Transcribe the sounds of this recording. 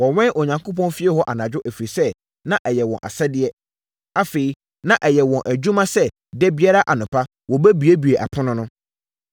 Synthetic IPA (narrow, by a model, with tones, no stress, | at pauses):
wɔ˨wɛ̃˦ʔɔ˨ɲã˨ŋkʰo˦p̬ɔ̃˦nfi˦ɛ˦hɔ˦ʔa˨nã˨d͡ʑᶣʊ˦ʔæ˨fi˨sɛ˦ | nã˦ʔɛ˨jɛ˨wɔ̰̃˨nʔa̰˨sɛ˦dɪ˦ɛ˦ | a˦fe˨i˦ | nã˦ʔɛ˨jɛ˨wɔ̃˨nʔæ˨d͡ʑũ˦mã˦sɛ˦ | dɛ˦bi˦a˦ɾa˦ʔa˨nʊ̃˨pʰa˦ | wɔ˨bæ˦bi˨e˦bi˨e˨ʔa̰˨pʰʊ̃˦nʊ̃˦nʊ̃˦